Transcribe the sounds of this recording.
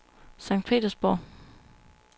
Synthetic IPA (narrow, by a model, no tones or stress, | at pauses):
sɑ̈ŋ̰d̥̚pʰḛːd̥ɐsb̥ɒ̰ː